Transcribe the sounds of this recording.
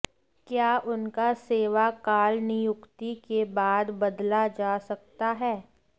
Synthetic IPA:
kjaːʔʊnkaseːʋakaːlnɪjʊkt̪ikebaːd̪bɐd̪lad͡ʒaːsɐkt̪aɦɛː

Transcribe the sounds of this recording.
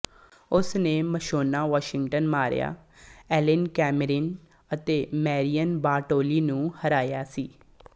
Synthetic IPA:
ʊsnẽːməʃoːnaːʋaːʃɪŋɡʈənmaːɾ̰ja̰ːɛːlɪnkɛːmɾɪn | ət̪eːmɛːɾijənbaːʈoːliːnũːhəɾaːjaːsiː

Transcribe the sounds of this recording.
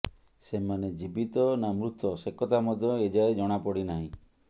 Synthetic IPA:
semaned͡ʒibit̪ɔnamɾut̪ːɔsekɔt̪amɔd̪ʱjɔed͡ʒaed͡ʒɔɽ̃apɔɽinaɦḭ̃

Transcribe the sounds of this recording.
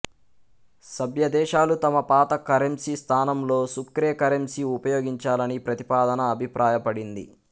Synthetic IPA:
sɐbʱjɐd̪ɛːʃaːlut̪ɐmɐpaːt̪ɐkɐɾemsist̪ʰaːnɐmlo̞ːsukɾeːkɐɾemsiupɐjo̞ːɡiɲt͡ʃaːlɐnipɾɐt̪i̥paːd̪ɐnɐːbʱipɾʔaːjɐpɐɽind̪ḭ

